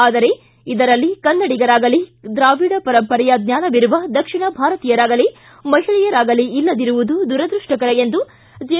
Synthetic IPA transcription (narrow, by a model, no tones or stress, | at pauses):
aːd̪ɐɾe̞ | id̪ɐɾɐlːikɐnːɐɽiɡɐɾaːɡɐlid̪ɾaːʋiːɽɐpɐɾɐmpɐɾɛjɐd̪nʲjaːnɐʋiɾuʋɐd̪ɐkʂiɳɐbʱaːɾɐt̪iːjɐɾaːɡɐle | mɐɦiɭɛjɐɾaːɡɐliilːɐd̪iɾuʋud̪ud̪uɾɐd̪ɾuʂʈɐkɐɾɐjend̪u | d͡ʒe